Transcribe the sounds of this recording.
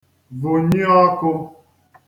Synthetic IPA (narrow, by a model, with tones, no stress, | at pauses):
vʊ˨ɲi˦ɔ˦kʊ˦